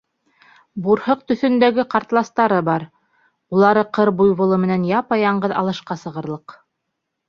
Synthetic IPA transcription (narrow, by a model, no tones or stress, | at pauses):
buɾhɤq̚t̪ɵ̆θɵ̆nd̪æɡɘqɑɾt̪lˠɑst̪ɑɾɤbɑɾ | ulˠɑɾɤqɤɾbujβŏlˠɤmɘ̆nænjɑpɑjɑɴɢɤðɑ̰lˠɤ̆ʃqɑsɤ̆ʁɤ̆ɾlˠɤq